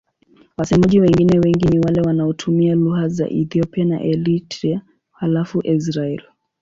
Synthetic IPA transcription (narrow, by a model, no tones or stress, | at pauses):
wasɛmaʄiwɛŋɡinɛwɛŋɡiniwalɛwanaɔtʰumialuɣaza̰ʔɛθiɔpiana̰ʔɛlitɾia | halafuʔis̬ɾaɛl